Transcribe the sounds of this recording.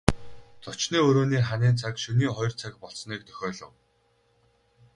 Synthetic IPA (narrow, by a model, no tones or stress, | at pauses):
t͡sʊt͡ɕniːɵɾoːniːχaniːnt͡sʰakʃɵniːχɔjɞ̆r̥t͡sʰakpɔɬsniːk̚t̪ʰœ̥xʲɔːɮɞ̆w